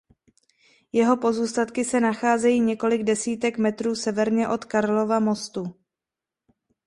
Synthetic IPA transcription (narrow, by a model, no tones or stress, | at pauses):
jɛɦo̞po̞zuːst̪at̪kɪsɛnaxaːzɛjiːɲɛko̞lɪɡdɛsiːt̪ɛkmɛt̪ɾuːsɛvɛɾɲɛʔo̞t̪kaɾlo̞vamo̞st̪u